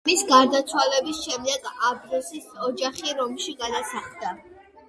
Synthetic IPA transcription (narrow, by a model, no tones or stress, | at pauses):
misɡaɾd̪at̪sʰwalɛbisʃɛmd̪ɛɡabɾisisɔd͡ʒaχiɾɔmʃiɡad̪asaχd̪a